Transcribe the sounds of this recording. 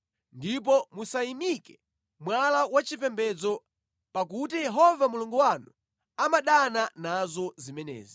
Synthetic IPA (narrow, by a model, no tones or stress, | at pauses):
ndip̬ɔmusaimikɛ̥ | mwalawat͡ʃipɛmbɛd͡zɔ | pakutijɛɦɔvamuluŋɡuwanu | amaɗananazɔzimɛnɛ̰ːzi